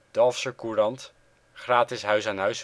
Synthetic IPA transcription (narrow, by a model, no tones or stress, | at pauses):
d̥ɑlˠfsəkurɑnt | χraːtɪsɦœɥsanɦœɥs